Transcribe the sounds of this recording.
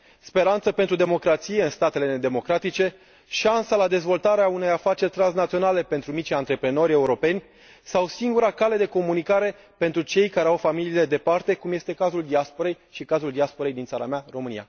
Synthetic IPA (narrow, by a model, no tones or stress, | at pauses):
spe̞ɾant̪səpe̞nt̪ɾud̪emo̞kɾat̪sije̞ɨnst̪at̪e̞le̞ned̪e̞mo̞kɾat̪it͡ʃe̞ | ʃansalad̪e̞zvo̞lt̪aɾeaune̞jafat͡ʃe̞rʲt̪ɾans̬nat̪sio̞nale̞pe̞nt̪ɾumit͡ʃʲant̪ɾe̞pɾeno̞ɾʲe̞uɾo̞pe̞nʲ | sawsiŋɡuɾakale̞d̪e̞ko̞munikaɾe̞ | pe̞nt̪ɾut͡ʃe̞jkaɾeawfamiliːle̞d̪e̞part̪e̞kumje̞st̪e̞kazuld̪iaspo̞ɾe̞jʃikazuld̪iaspo̞ɾe̞jd̪insaɾa̰mearo̞mɨnḭja̰